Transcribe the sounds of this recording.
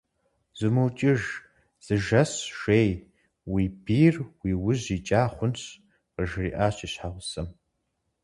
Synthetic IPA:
z̥ɨmuwt͡ʃʼɪʒ | z̥ɨʒɐsʒeːj | wibiːrwiːwʊʑit͡ʃʼaːχʷʊnɕ | qəʒrḭːʔaːɕiːɕħaʁʷʊsɐm

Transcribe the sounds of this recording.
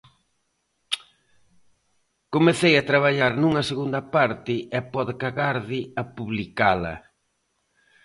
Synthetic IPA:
komeθejɐt̪ɾaβ̞aʎaɾnuŋɐseɣund̪ɐpaɾt̪ɪɛpɔðekaɣaɾðɪɐpuβlikalɐ̰

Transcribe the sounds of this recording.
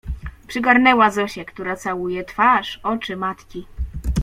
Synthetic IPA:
pʂɘɡaɾnɛwazɔɕɛkt̪uɾat̪sawujɛt̪faʂɔt͡ʂɘmat̪kʲi

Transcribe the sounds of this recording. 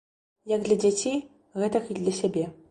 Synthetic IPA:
jaɡd̪lʲɐd͡zʲat͡sʲej | ɣɛt̪ɐxidlʲɐsʲɛbʲe

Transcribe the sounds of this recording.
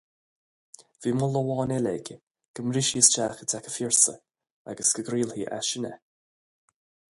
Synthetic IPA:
v̥iːmʊləwɑːnɛlɛ̰ɡə | ɡ̥əmɾɪʃiəst͡ʃaːxətʰakə̥fiɹsə̰ | a̰ɡəsɡ̥əɡɾiːlhiːʔa̰ʃɪnə̰

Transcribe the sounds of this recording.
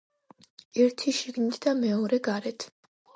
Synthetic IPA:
ɛɾt̪ʰiʃiɡnit̪ʰd̪amɛɔɾɛɡaɾɛt̪ʰ

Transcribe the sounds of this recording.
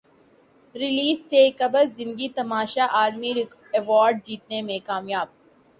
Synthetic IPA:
ɾɪliːzːekɐbəɾzzɪ̃nd̪ɡit̪ɐmaːʃaʔaːlmi | ɛʋɔːɾɖ̚d͡ʒiːt̪̚nemẽkaːmjaːb̚

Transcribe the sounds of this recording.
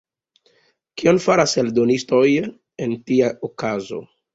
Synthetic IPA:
kio̞nfaɾaseldo̞nisto̞j | entiaokazo̞̰

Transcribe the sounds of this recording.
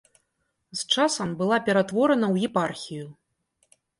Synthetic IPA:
st͡ʂasɐmbɨlˠapʲɛɾat̪vɔɾɐnɐwjɛparxʲiju

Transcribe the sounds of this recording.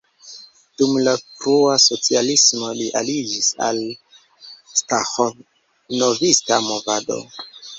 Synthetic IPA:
d̥umlapɾuasot͡sialismo̞liʔalid͡ʒisa̰l | staxo | novistamo̞vado̞̰

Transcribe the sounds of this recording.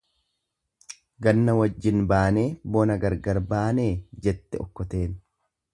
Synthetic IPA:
ɡɐnːɐwɐd͡ʒːɪnbaːne̞ːbɔnɐɡɐɾɡɐɾbaːne̞ːd͡ʒɛt̪ːɛɔkːɔt̪e̞ːn

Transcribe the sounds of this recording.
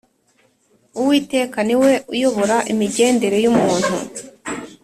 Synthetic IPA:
uwiːte̞ːkaniwe̞ujo̞βo̞ɾaʔimiɟe̞ːnde̞ɾe̞jumuːn̥hṵ

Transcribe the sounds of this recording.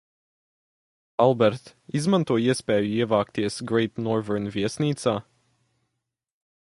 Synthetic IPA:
alˠbɛɾt̪izmant̪uɔiɛspʲɛːjuiɛvaːkt̪iɛsɡɾejt̪nɔɾvɛɾnvʲiɛsniːt̪saː

